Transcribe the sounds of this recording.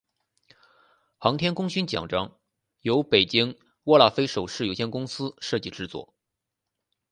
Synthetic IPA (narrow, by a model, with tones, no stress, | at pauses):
xɑ˧˥ŋt̪ʰjɛ˥nkʊ˥ŋɕy˥nt͡ɕjɑ̰˨˩ŋʈ͡ʂɑ˥ŋ | jo˧˥ʊpe˨˩ɪt͡ɕi˥ŋ | wɔ˥˧la˥˩fe˥ɪʂo˨˩ʊʂɻ̩˥˩jo˨˩ɕjɛ˥˩nkʊ˥ŋsɹ̩˥ʂɤ˥˧t͡ɕi˥˩ʈ͡ʂɻ̩˧t͡swɔ̰˥˩